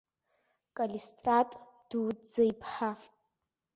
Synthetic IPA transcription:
kʼalistʼratʼ | d̥uːd͡zajpʰħa

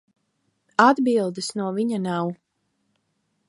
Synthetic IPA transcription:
ad̪bilˠd̪ɨsnuɔviɲanaw

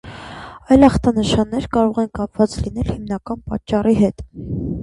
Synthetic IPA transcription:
ɑjlɑχt̪ɑnəʃɑnːɛɾkɑɾɔʁɛnkɑp̚ʰvɑt͡slinɛlhimnɑkɑnpɑ̰t͡ʃːɑriɦɛt̪

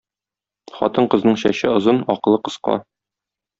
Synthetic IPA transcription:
χɒ̰t̪ɤɴqɤ̆znɤɴɕæ̰ɕɘŏzɤnɒq̆lˠɤqɤ̆sqɑ̰

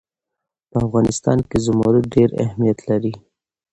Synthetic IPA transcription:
pəafɣɑnɪst̪ɑ̰nkezʊmɑɾuɖeɾa̰hmijat̪laɾi

